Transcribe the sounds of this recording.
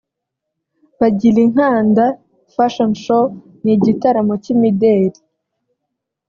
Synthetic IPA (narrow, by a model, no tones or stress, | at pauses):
βaɟiɾiŋ̥haːnda | faʃonʃo | niɟitaɾamocimideːɾi